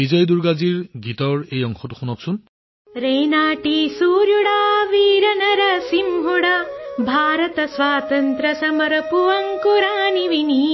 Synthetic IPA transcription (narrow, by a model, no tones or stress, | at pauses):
bizɔjduɹɡaziɹɡitɔɹejɔŋxɔtu̥xunɔksun | ɾeːnaːʈisuːɾjuɽaːʋiːɾɐnɐɾɐsimɦuɽabʱaːɾɐt̪ɐswaːt̪ɐnt̪ɾɐsɐmɐɾɐpuʋɐŋkuɾaːniʋini